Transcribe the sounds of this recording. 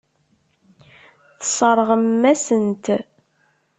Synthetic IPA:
θəsˤəɾˤʁəmːæsənt̪

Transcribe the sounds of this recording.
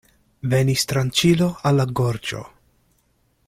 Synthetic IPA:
venist̪ɾant͡ʃiloalːaɡoɾt͡ʃo̞̰

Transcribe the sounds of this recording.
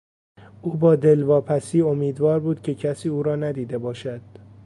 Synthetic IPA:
ʔuːbɒːd̪e̞lvɒːpʰæsiːo̞miːd̪vɒːɾbuːd̪̥cʲʰe̞cʰæsiːuːɾɒːnæd̪iːd̪e̞bɒːʃæd̪̥

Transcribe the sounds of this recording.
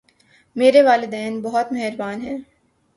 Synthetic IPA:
meːɾeʋaːlɪd̪ɛːnbɐɦʊt̪mɐɦəɾbaːnɦɛ̃ː

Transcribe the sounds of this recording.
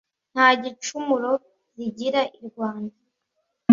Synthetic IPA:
n̥haːɟit͡ʃumuɾo̞ | ziɟiɾaʔiɾɡwaːnda

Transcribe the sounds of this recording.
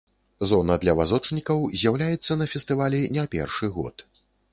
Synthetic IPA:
zɔnɐd̪lʲɐvazɔt͡ʂnʲikɐwzʲjawlʲajɛt̪sːɐnɐfʲɛst̪ɨvalʲinʲɛpʲɛ̰rʂɨɣɔ̰t̪

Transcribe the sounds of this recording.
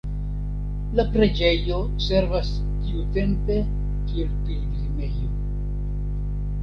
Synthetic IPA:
lapɾe̞d͡ʒe̞jo̞ | se̞ɾvas | kiute̞mpe̞ | kie̞lpild̪ilime̞jo

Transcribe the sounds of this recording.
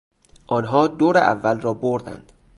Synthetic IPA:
ʔɒːnɦɒːd̪oːɾeʔæ̰vːælrɒːboɾd̪æ̰nd̪̥

